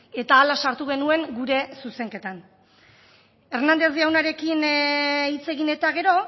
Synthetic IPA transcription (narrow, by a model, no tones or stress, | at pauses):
e̞t̪aːlasaɾt̪uɣ̞e̞nue̞ŋɡuɾe̞suse̞ŋke̞t̪an | e̞ɾnand̪e̞zd̪iawnaɾe̞kinit͡se̞ɣine̞t̪aɣ̞e̞ɾo̞